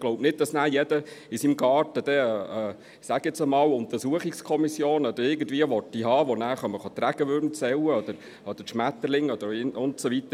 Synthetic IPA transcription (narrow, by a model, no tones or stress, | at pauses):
ɡloʊbnɪt̚d̥ɑsnæːɾjɛd̥əɪsimɡɑːrtəd̪̥ɛ | sæɡ̥ɛsəmɑːwʊnt̪əɾsuəχɪkskʰɔmisjoːnɔd̥̪əɾɪɡən̩dviːəʋɔtːiɦɑːʋɔnæːɾχœməχɑt̪ɾæɡ̥əʋøɾnt͡sɛwəɔd̥̪əɾ | ɔd̥̪əʃmæt̪ːəlɪŋɔd̥̪əɾɪnʊntsɔʋit̪ə